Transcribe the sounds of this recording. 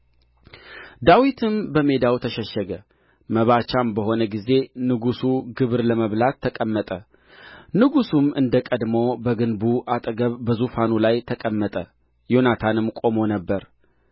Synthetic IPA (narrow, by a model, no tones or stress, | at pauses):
d̪awit̪ʰɨmbəme̞d̪awt̪ʰəʃəʃːəɡə | məβat͡ʃambəho̞nəɡize̞nɨɡusuɡɨβɨɾləməβlat̪ʰːəkʼəmːət̪ʼə | nɨɡusumɨnd̪əkʼəd̪mobəɡɨnbuʔat̪ʼɡəβːəzufanulajt̪ʰəkʼəmːət̪ʼə | jo̞nat̪ʰanɨmkʼo̞mo̞nəbːəɾ